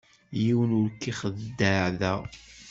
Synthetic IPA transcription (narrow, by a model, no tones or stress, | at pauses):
jiwənʊɾkːiχəðd̪ːəʕðæ